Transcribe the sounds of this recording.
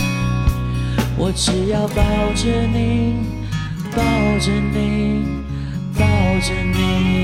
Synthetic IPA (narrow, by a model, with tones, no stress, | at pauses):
wʔɔ˨˩ʈ͡ʂɻ̩˨˩jɑ˥˧ʊpɑ˥˩ʊʈ͡ʂə˧ni˨˩ | p̪ɑ˥˩ʈ͡ʂə˧ni˨˩ | pɑ˥˩ʊʈ͡ʂə˧ni˧˩˧